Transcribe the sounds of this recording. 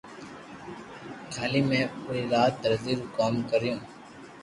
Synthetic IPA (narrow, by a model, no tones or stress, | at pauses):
kʰaːliːmẽːoiːɾaːt̪ːəɾziːɾuːkaːmkəɾjõː